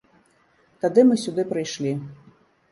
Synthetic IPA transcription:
t̪ad̪ɨmɨsʲud̪ɨpɾɨjʂlʲi

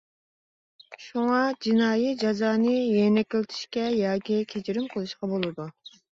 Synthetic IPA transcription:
ʃuŋɑd͡ʒinɑːjid͡ʒɑzɑːnɨjenɛkʲilt̪ʰi̥ʃkʲɛjɑːkʲikʲʰet͡ʃiɾɪmqʰəlˠɨʃqɑbolˠɨd̪u

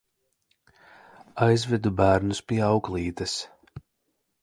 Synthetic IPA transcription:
ajzvɛd̪ubæːɾnuspiɛɑwklˠiːt̪ɐs

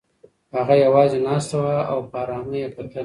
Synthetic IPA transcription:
haɣajawɑzenɑst̪awaa̰wpɑːɾɑməjepat̪əl

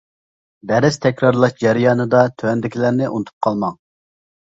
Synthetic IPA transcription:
b̪ɛɾɪz̥t̪ʰɛkʲɾɑɾlˠɑʃd͡ʒæɾijɑːnɨd̪ɑt̪ʰøɛnd̪ɪkʲʰilæɾnɪʔṵnt̪ʰu̥p̚qʰɑlˠmɑŋ

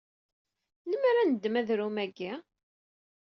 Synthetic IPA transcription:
ləmaɾanəd̪ːmæðɾumæɡi

